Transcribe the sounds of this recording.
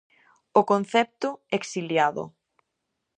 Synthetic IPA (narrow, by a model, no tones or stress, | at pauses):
okon̟θɛp̚t̪ʊeksiljaðʊ̰